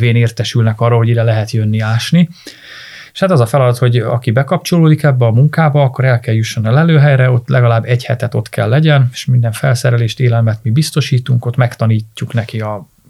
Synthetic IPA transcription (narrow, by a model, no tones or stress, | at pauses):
veːneːrt̪ɛʃylnɛkɒrːoːɦo̞ɟiɾɛlɛɦɛt̪jønːiaːʃni | eʃhat̪ɒzɒfɛlɒd̪ɒt̪ho̞ɟɒ̰kibɛkɒp̚t͡ʃo̞loːd̪ikɛbːɛɒmuŋkaːbɒɒkːo̞ɾɛlkɛljuʃːonɛlɛløːɦɛjɾɛo̞t̪ːlʔɛɡɒlaːbːɛchɛ̰t̪ɛt̪o̞t̪kʰɛ̰lːɛɟɛneʃmind̪ɛɱfɛ̰lsɛɾɛleːʃt̪eːlɛlmɛt̪mibist̪o̞ʃiːt̪uŋko̞t̪mɛkt̪ɒniːcːuknɛkiɒ